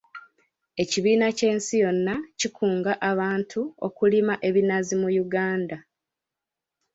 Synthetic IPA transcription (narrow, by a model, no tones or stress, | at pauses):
e̞ciβiːnace̞ːnsijo̞nːacikʰuːŋɡaʔaβaːntʰuokulimaʔe̞βinazimujuɡaːnda